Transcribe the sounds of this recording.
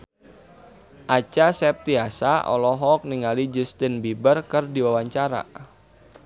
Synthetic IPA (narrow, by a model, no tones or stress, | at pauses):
ʔat͡ʃasɛp̚t̪iasaʔɔ̰lɔɦɔk̚niŋalid͡ʒust̪ənbibərkɨrdiwawaɲt͡ʃaɾa̰